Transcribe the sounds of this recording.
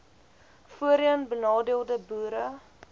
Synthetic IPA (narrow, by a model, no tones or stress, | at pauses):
fuəɾiənbənɑːdiəlˠdəbuːɾə